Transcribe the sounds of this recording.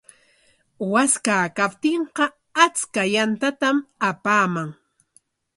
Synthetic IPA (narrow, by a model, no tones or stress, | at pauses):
waskaːkap̚t̪eɴqɑ | at͡skajant̪at̪amapaːmaŋ